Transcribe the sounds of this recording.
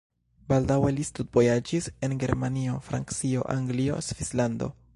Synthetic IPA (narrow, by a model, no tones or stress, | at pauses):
baldawe̞listutvo̞jad͡ʒise̞nɡe̞ɾmanio̞fɾa̰nkt͡sio̞̰ʔaŋɡlio̞̰svislando̞̰